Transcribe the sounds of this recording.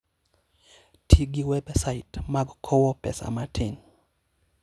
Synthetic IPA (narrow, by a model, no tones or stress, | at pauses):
tʰiɡiwɛbsaitmaɡkʰɔwɔpɛsa̰matʰin